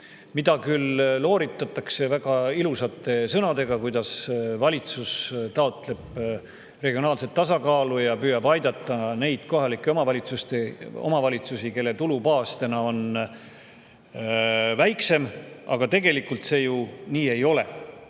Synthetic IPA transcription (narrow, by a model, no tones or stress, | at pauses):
mid̪̥ɑkylːo̞ːɾit̪ːˑɑt̪ːˑɑkse̞væɡ̥ɑilusɑt̪ːˑe̞sɤnɑd̪e̞ɡ̥ɑkujd̪̥ɑsvɑlʲit̪sust̪ɑo̞t̪ˑle̞b̥ | re̞ɡ̥io̞nɑːlse̞t̪ːɑsɑkɑːlujɑpyːjɑbɑjd̪̥ɑt̪ːˑɑne̞jd̪̥ko̞ɦɑlikːˑe̞omɑvɑlʲit̪sust̪eo̞̰mɑvɑlʲit̪susike̞lːe̞t̪ulupɑːst̪e̞nɑo̞n | væjkse̞mɑ̰ɡ̥ɑt̪e̞ɡe̞likːˑult̪se̞ːjuniːe̞jo̞le̞̰